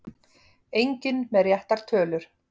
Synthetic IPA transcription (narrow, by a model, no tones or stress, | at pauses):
ejɲcɪnmɛɾjɛht̪aɾ̥t̪ʰœːlʏɾ̥